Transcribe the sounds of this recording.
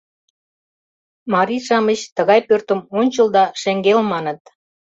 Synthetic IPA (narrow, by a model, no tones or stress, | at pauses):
mɑɾiʃɑmət͡ɕt̪əɣɑjpørt̪ə̆monʲt͡ɕəld̪ɑʃeŋɡelmɑnə̆t̪